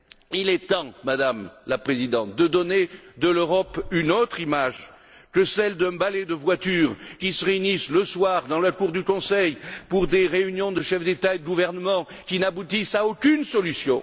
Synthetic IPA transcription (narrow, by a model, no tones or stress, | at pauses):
ilɛt̪ɑ̃mad̪amlapχezid̪ɑ̃t̪̚d̪əd̪ɔned̪əløʁɔpynot̪χimaʒ | kəsɛld̪ɛ̃balɛd̪əvwat̪yʁkʲisəʁeynisləswaʁd̪ɑ̃lakuʁd̪ykɔ̃sɛjpuʁd̪eʁeynjɔ̃d̪əʃɛfd̪et̪aed̪əɡuvɛʁnəmɑ̃ | kʲinabut̪isaokʲynsɔlysjɔ̃